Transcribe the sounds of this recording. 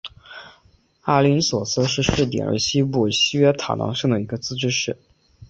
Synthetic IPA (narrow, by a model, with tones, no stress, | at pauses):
a˥˩li˧˥nswɔ˨˩s̩˥˧ʂɻ̩˥˧ʂ̩˥˩t̪̬jɛ̰˨˩nə̰˧˥ɕi˥pu˥˩ɕi˥ɥɛ˥t̪ʰa̰˨˩nɑ̰˧˥ŋʂɤ˥˩ŋd̪ə˩i˧˥ɡə˧t͡sɹ̩˥ʈ͡ʂɻ̩˥ʂɻ̩˥˩